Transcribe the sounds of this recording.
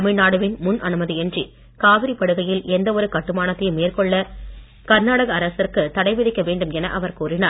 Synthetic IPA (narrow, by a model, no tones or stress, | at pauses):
ɐmɪɻnaːɽɯʋɪnmʊnʔɐ̰nɯmɐðiɛndri | kaːʋɪɾipːɐɽɯɣɐjɪlɛnd̪ɐɔɾɯkɐʈːɯmaːnɐt̪ːɐjmeːrkɔɭːɐ | kɐɾnaːɽɐɣɐːɾɐsɪrkɯt̪ɐɽɐɪʋɪðɪkːɐʋeːɳɖɯmɛnɐʔɐʋɐɾkuːrɪnaːɾ